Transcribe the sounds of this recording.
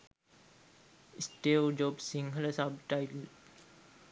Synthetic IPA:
isʈewd͡ʒobsiŋɦələsab̚ʈajtl

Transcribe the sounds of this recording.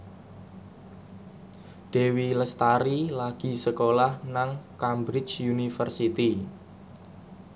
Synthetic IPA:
ɖ̪̥e̤wiləst̪aɾilaɡ̥i̤səkolahnaŋkambɾɪt͡ʃjunifərsit̪i

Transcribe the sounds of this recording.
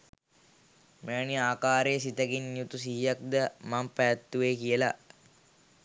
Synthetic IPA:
meaniaːkaːɾeːsit̪əɡinːjut̪usiɦijak̚d̪əmampæjat̪ːuʋeːkijəla̰

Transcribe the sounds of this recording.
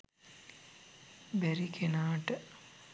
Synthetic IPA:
bæɾikʰenaːʈə

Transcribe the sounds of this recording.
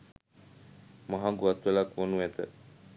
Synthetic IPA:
maɦaŋɡuat̪ʋəlakʋonuɛt̪ə̰

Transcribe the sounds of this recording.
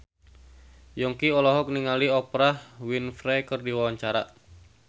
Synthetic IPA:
jɔŋkiɔlɔɦɔk̚niŋaliɔpɾahwinfɾɛkərdiwawaɲt͡ʃaɾa̰

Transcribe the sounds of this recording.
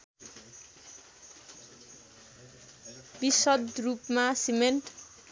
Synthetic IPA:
bisʌd̪rupmasimenʈ

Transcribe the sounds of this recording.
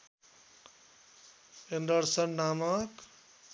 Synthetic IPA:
endʌɾsʌnːamʌk

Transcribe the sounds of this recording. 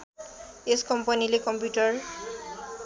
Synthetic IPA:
eskɔmpanilekɔmpjutɔɹ

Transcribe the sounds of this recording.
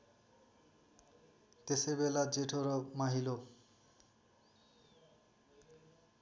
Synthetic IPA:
t̪esebelad͡zeʈʰoɾɔmaɦilo

